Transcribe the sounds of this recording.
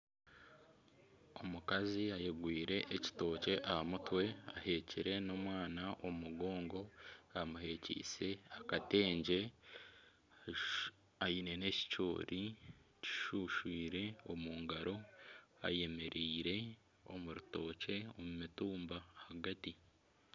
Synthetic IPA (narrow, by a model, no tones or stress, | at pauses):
o̞mukaziajeɡwiːɾe̞ʔːci̥to̞ːce̞ʔahamutwe̞a̰he̞ciɾe̞noːmwaːnaʔomuɡo̞ːŋɡo̞amuɦe̞cḭːse̞akate̞ːɲɟe̞ | ajine̞ne̞ci̥co̰ːɾʔici̥ʃuːʃwiːɾe̞omuːŋɡaɾo̞a̰je̞me̞ɾiːɾe̞ | o̞̰muɾuto̞ːce̞omumituːmbahaɡati